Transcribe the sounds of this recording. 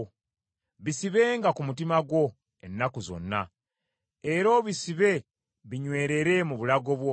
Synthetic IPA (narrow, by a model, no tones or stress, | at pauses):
βisiβe̞ːŋɡakumutimaɡwo̞ | enːakuzo̞̰nːa̰ | e̞ɾo̞ːβisiβe̞ | βiɲwe̞ːɾe̞ɾe̞muβulaɡo̞βwo